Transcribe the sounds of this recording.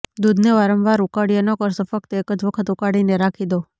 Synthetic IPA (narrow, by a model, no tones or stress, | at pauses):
d̪ud̪ʱneʋaɾəmʋaɾukaɽijənɔkəɾsofək̚t̪ekəd͡ʒʋəkʰət̪ukaɽineɾakʰid̪o